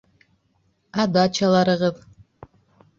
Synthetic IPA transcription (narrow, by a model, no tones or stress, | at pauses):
ɑd̪ɑt͡ʃɑlˠɑɾɯʁɯð